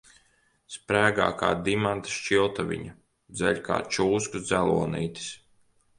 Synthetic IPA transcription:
spɾæːɡa̰ːka̰ːd̪imant̪ḁʃt͡ʃilˠt̪avʲḭɲa | d̪zɛʎʲka̰ːt͡ʃuːskud̪zælˠuɔnḭːt̪i̥s

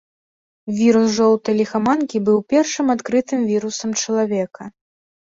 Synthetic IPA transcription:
vʲiɾusʐɔw̪ˠt̪ɐjlʲixamankʲibɨwpʲɛrʂɨmat̪kɾɨt̪ɨmvʲiɾusɐmt͡ʂɐlˠavʲɛkɐ

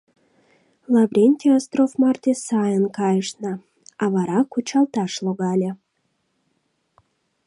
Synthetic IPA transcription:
lˠɑbɾʲenʲt̪ʲeast̪rofmɑrt̪ʲesɑjənkɑjəʃnə | ɑβɑɾɑkut͡ɕɑlˠt̪ɑʃlˠoɡɑlʲe

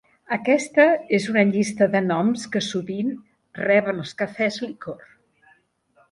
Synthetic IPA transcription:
əkɛst̪əezunəʎist̪əðənɔmskəsuβin | rɛβənəlˠskəfɛzlikor

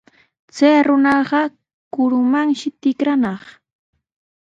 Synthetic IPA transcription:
t͡sajɾʊnɑɢɑ | kʊɾʊmaŋʃɪt̪ɪkɾanɑχ

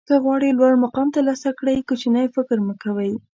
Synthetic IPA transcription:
kəɣwɑɽilwaɽmaqɑmt̪alɑsakɽəjkʊt͡ʃinajfɪkɾməkawəj

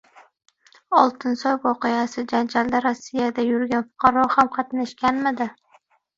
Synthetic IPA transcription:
ɒlˠt̪ʰɪnsɒjwɒqɨjasɪd͡ʒand͡ʒald̪aɾasːɪjad̪ajʊɾɡʲanfʊ̥qʰɑɾɒhamqʰɑt̪naʃkʲanmɪd̪ɪ

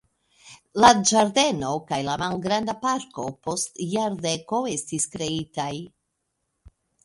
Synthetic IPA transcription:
lad͡ʒaɾde̞no̞kajlamalɡɾandapaɾko̞po̞stjaɾde̞ko̞e̞stiskɾe̞itaj

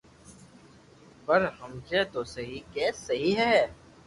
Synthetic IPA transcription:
pɐɾhəmset̪oːsɐɦikɛːsɐɦiɦɛː

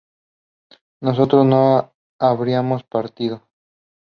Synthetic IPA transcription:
no̞s̬o̞t̪ɾozno | aβɾiamo̞spaɾt̪iðo̞

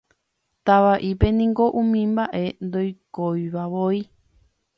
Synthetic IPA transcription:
t̪aβaʔipenĩŋɡoʔũmĩmbaʔend̪ojkoiβaβoi

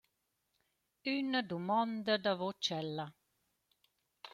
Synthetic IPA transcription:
ynədumɔnd̪əd̪avɔt͡ʃɛlːa

